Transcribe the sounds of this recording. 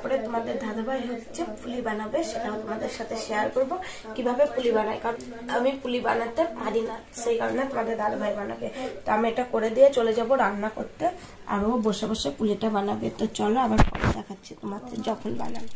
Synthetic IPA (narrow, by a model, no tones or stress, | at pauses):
pɔɾet̪omad̪eɾd̪ʱad̪abʱajɦot̪t͡ɕʰepʰulibanabeʃeʈaot̪omad̪eɾʃat̪ʰeʃejaɾkoɾbo | kibʱabepulibanajkaɾon | a̰mipuliba̰nat̪ːead̪inasejkaɾnat̪omad̪eɾd̪ʱad̪obʱajbana̰bet̪oamieʈakoɾed̪iet͡ɕoled͡ʑaboɾanːakoɾt̪e | a̰ɾoboʃobaʃepuliʈabanabet̪ot͡ɕɔloamaɾpɔ̰ɾḛd̪ɛkʰatːɕʰit̪omat̪ed͡ʑɔkʰolba̰na̰